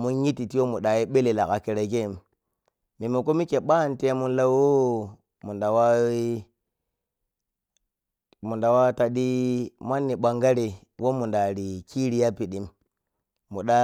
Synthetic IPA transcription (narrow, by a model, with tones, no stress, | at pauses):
mu˦nji˦tːi˨ti˦wo˦mu˨ɗa˨ji˦ɓe˦le˨la˨ka˨ke˨ɾa˨ke˦˨mː | i˨mo˨ko˦mi˦ke˨ɓa˦˨nte˦mu˦nla˦o˦ | mu˨da˨wa˦i˦ | mu˨nda˨wa˦ta˨ɗi˦ma˦nːi˨ɓa˨ŋɡa˦ɾi˨ | wo˦mu˨nda˨ɾi˨ki˦ɾi˦ja˦pi˨ɗi˨mː | u˨ɗa˦